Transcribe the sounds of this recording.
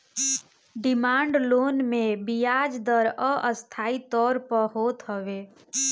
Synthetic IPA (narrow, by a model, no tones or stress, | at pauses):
ɖɪmaːɳɖloːnmẽbijaːd͡ʒd̪əɾɔʔəst̪ʰaːit̪ɔːɾpəɦoːt̪ɦəʋeː